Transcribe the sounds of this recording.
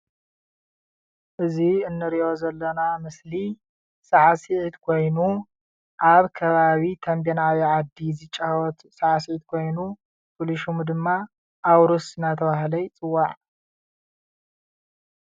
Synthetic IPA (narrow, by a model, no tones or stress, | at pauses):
ʔɨziɨnːɨɾiʔo̞zɐlːɐnamɨsli | saʕasiʕit̪kʰo̞jnu | ʔaβkʰɐβaβit̪ʰɐmbenawiʕad̪ːizɨt͡ʃʼawɔt̪saʕas̬iʕit̪kʰo̞jnu | pʰoliʃumd̪ɨmːa | ʔawɾusɨnat̪ʰɐβahlɐjt͡sʼɨwːaʕ